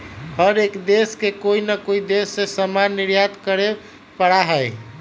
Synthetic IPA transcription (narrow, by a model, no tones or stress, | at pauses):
həɾekd̪eskekoinəkoid̪esːesəmanːɪɾjat̪kəɾe | pəɽaɦəj